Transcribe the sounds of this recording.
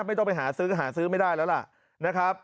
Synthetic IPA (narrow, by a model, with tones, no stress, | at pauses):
ma˥˩j̪ɔ˥˩pa˧jɦaː˩˦sɯː˦˥˩ɦaː˩˦sɯː˦˥ma˥˩jdaː˥˩jlɛː˦˥la˨˩ʔ | na˦˥kʰɾa˦˥p̚